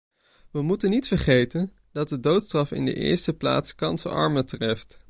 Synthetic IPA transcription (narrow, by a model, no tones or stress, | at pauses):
ʋəmutənitfəɹχejtən | dɑt̚dədowtstrɑfɪ̰ndə̰ʔɪ̰ːɹstəpla̰ːtskɑnsə̰ɑ̰ɹmətrɛft